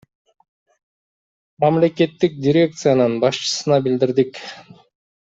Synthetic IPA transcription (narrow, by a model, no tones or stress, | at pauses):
mɑmle̞ke̞t̪ːik̚dʲiɾʲe̞k̚t̪sɨjanɯnbɑʃt͡ʃɯ̥sɯnɑbild̪iɾd̪ik